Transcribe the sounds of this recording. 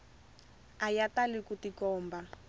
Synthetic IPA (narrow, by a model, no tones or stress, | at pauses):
ajatalikutikɔːmba